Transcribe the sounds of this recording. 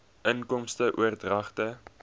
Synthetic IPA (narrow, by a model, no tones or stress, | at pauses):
ʔənkɔmstəʔuərdrɐχtə